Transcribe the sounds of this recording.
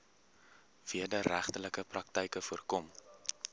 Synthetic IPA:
v̥iədəɾæχtələkəprɐk̚təjkəfuərkɔm

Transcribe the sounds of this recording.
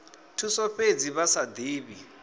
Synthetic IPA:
tʰusɔɸed͡ziβasad̪iːβi

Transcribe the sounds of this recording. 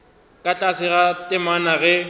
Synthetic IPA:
kʼat͡ɬʼasɪɣatʼɪmanaɣɛ

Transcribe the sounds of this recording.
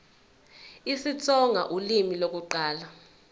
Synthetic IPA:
isit͡sʰʼɔŋʱa̰ʔulimilok̬uǃaːla

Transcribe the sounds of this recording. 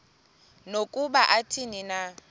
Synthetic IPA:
nokʼubaʔatʰinina

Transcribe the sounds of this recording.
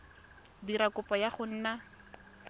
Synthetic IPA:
diɾakʊpʼɔjaχʊn̩ːna

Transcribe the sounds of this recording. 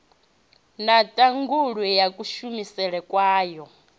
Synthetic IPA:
natʼaŋɡuɺwijakʼuʃumisɛɺɛkʼwaːjɔ

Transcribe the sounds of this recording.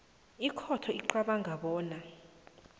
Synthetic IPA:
ikʰɔtʰɔiǃaɓaŋʱaɓɔːna

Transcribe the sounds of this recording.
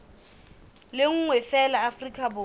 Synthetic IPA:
lɪŋ̩ŋwɛfɛlaːfrikʰʼabʊ

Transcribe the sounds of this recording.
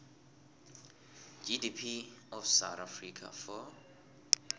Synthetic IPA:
d͡ʒidipʰiɔfsawt̪afrikʰa̰fɔ

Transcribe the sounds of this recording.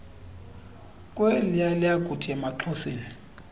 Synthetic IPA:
kʼwɛlɪjalɪaɡ̥ʱud̥ʰʱiɛmaǃʰɔseːni

